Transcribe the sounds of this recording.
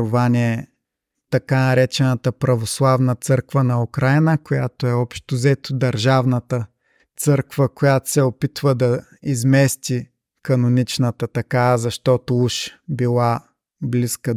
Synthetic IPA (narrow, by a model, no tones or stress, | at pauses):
ʊvanʲiɛ | t̪ɐkanɐɾɛt͡ʃɛnət̪əpɾɐvoslˠavnət̪sɤɾkvənɐʊkɾajnəkojat̪oɛɔpʃt̪ʊzɛt̪ʊd̪ɐɾʒavnət̪ə | t̪sɤɾkvəkojat̪o̥sɛopit̪vəd̪ɐ | izmɛst̪ʲi | kɐnonit͡ʃnət̪ət̪ɐkazɐʃt̪ɔt̪ouʃbilˠa | bliskə